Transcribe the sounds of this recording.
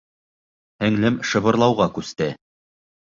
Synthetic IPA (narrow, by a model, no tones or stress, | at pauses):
hæ̆ŋlɘmʃɤ̆βɤ̆ɾlˠɑwʁɑkʉst̪ɘ